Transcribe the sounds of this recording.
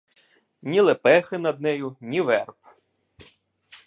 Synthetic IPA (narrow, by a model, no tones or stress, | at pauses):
nʲilˠepɛxɪnɐd̪̚nɛjʊnʲiʋɛrp